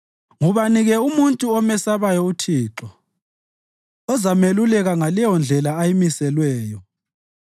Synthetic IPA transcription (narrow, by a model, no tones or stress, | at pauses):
ŋuβaniɣɛumuntʼuɔmɛsaβajɔutʰiːǁɔ | ɔzamelulɛɣaŋalɛjɔnd͡ɮʱɛlaːjimisɛlwɛːjɔ